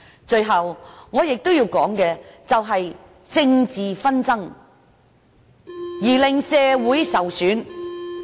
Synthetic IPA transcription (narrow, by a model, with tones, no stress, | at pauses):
t͡ʃɵ˧ɥɦɐ˨wŋɔː˨˧jɪ˨k̚t̪o˥wjiː˧wkɔː˨˥ŋkɛː˧t͡sɐ˨wɦɐ˨j | t͡sɪ˧ŋt͡siː˨fɐ˥nt͡sɐ˥ŋ | jiː˨˩lɪ˨ŋsɛː˧wuː˨˥jsɐ˨wsyː˨˥n